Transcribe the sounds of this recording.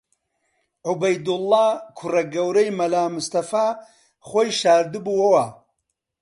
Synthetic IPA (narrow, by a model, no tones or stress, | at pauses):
ʕubɐjd̪ʊlːaːkʰʊrɐɡɐwɾɐjmɐlaːmɨst̪ɐfaː | χʷoːjʃaːɾd̪ɨbuɐwɐ